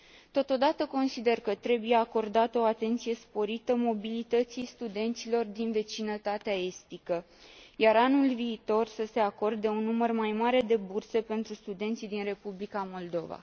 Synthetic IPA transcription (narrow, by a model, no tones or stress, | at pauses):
t̪o̞t̪o̞d̪at̪əko̞nsid̪e̞rkət̪ɾe̞buje̞ako̞rd̪at̪əoat̪e̞nt̪sije̞spo̞ɾit̪əmo̞bilit̪ət̪sijst̪ud̪e̞nt̪silo̞rd̪inve̞t͡ʃinət̪at̪eae̞st̪ikə | jaɾanulviːt̪o̞rsəse̞ako̞rd̪eunːumərmajmaɾe̞d̪e̞burse̞pe̞nt̪ɾust̪ud̪e̞nt̪sid̪inre̞publikamo̞ld̪o̞va̰